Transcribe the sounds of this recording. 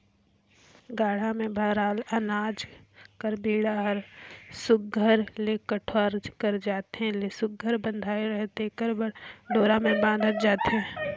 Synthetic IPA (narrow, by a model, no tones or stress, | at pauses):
ɡaːɽ̤amẽbʱaːɾaːlənaːd͡ʒkəɾbʱiːɽaɦəɾsʊɡ̚ɡʱəɾlekəʈʰwaːɾd͡ʒkəɾd͡ʒaːt̪eɦɛ̃lesʊɡ̚ʱəɾbə̃nd̪ʱaːeɾəɦt̪ekəɾbɖoːɾamẽbãːnd̪ʱəd͡ʒaːt̪eɦɛ̃ɛ̃